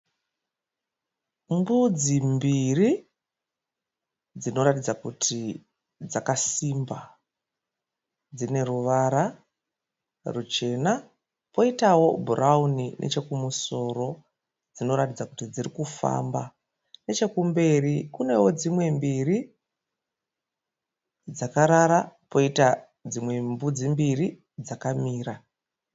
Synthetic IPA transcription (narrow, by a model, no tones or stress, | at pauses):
mbud͡zimbiri | d͡zino̞ɾatid͡zakutʰi | d͡zakasimba | d͡zine̞ruʋaɾa | rut͡ʃe̞ːna | po̞itawo̞bʱurʔauninʔḛt͡ʃe̞kumuso̞ɾo̞ | d͡zino̞ɾatid͡zakutid͡zirikufa̰mba̰ | ne̞t͡ʃe̞kumbe̞rikune̞wo̞d͡zimwe̞mbiri | d͡zakaɾaɾapo̞ita | d͡zimwe̞mbud͡zimbiri | d͡zakamiːɾa